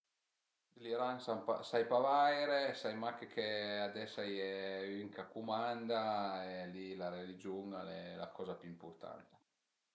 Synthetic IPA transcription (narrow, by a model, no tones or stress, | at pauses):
d̪liɾaŋsampa̰sajpavajɾesajmakekʰead̪ɛsːajɛyŋkakumand̪aelilaɾelid͡ʒuŋanɛla̰kʰɔzapyimpurt̪a̰nt̪e̥